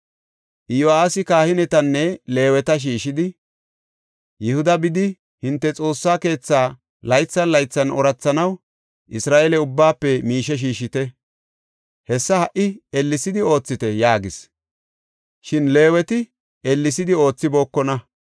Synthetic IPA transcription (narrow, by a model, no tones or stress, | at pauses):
ʔɪjoaːsɪkaːhɪnɛt̪ɐnːɛle̞ːwɛt̪ɐʃ̬iːʃɪd̪ɪ | jɛhʊd̪ɐbɪd̪ɪ | hɪnt̪ːɛt͡sʼo̞ːsːaːke̞ːt͡sːaː | lɐjt͡sːɐnlɐjt͡sːɐnɔɾɐt͡sːɐnɐw | ʔɪsɾaːʔɛlɛʊbːaːpːɛmiːʃɛʃ̬iːʃɪt̪ɛ | hɛsːɐhɐʔɪɛlːɪsɪd̪ɪo̞ːt͡sːɪt̪ɛjaːɡɪs | ʃɪnle̞ːwɛt̪ɪ | ɛlːɪsɪd̪ɪo̞ːt͡sːɪboːkːɔnɐ